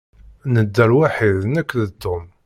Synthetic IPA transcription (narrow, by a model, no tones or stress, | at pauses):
nəd̪ːəɾwaħiðnækʷːðəd̪ːʊm